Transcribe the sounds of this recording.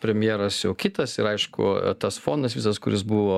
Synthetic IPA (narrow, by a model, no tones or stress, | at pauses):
pʲɾʲɛmʲjeːɾɐsjɛʊkʲɪt̪ɐsɪɾɐɪʃkʊ̰t̪ɐsfoːnd̪ɐsʋʲisɐskʊɾʲɪsbuʋoː